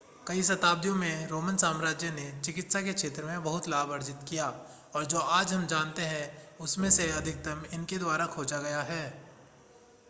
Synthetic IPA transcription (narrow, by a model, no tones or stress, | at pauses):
kɐisɐt̪aːb̚d̪jõmẽɾoːmənsaːmɾaːd͡ʒjənet͡ʃɪkɪt̪sakekʃʰeːt̪ɾəmẽbɐɦʊt̪laːbɐɾd͡ʒɪt̪kijaː | ɔːɾd͡ʒoːaːd͡ʒɦɐmd͡ʒaːnt̪eɦɛ̃ʊsmẽseɐd̪ʱɪk̚d̪ɐmɪnked̪waːɾakʰoːd͡ʒaɡɐjaɦɛː